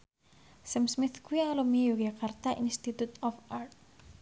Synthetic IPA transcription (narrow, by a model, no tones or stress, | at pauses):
səmsmit̪kuialomijuɡakʰart̪aʔinst̪it̪ut̪ɔfart̪̚